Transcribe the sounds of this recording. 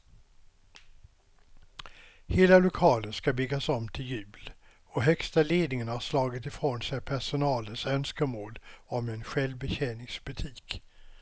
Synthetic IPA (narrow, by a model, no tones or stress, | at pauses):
heːlalʊkʰɑːlənskabʏɡːasɔmt̪ʰɪljʉ̟ːl | ɔɦœkst̪aleːd̪nɪŋənhaʂlɑːɡɪt̪ɪfɾoːnsɛjpʰæʂʊnɑːlənsœnskəmoːlɔmɛnɧɛlvbɛɕɛːnɪŋsbɵt̪ʰiːk